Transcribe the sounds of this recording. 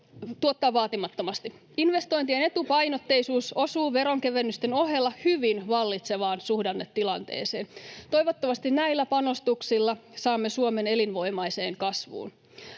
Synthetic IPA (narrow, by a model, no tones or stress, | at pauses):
t̪uot̪ːɑːʋɑːt̪imɑt̪ːomɑst̪i | inʋe̞st̪o̞int̪iene̞t̪upɑjnot̪ːe̞isuːso̞suːʋe̞ɾo̞ŋkeʋenːyst̪eno̞ɦelːɑhyʋinʋɑlːit̪se̞ʋɑːnsuhdɑnːet̪ːilɑnt̪ḛːsḛːnt̪oiʋot̪ːomɑst̪innæilːæpɑno̞st̪uksilːɑsɑːmːesuome̞ne̞linʋo̞imɑjse̞ːŋkɑsʋṵːn